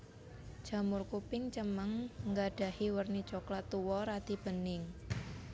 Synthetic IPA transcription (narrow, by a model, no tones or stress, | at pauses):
ʒ̥a̤mʊrkupɪŋt͡ʃəməŋŋɡaɖ̥a̤hiwərni̥t͡ʃoklat̪uwɔɾad̪̥ib̥ə̤nɪŋ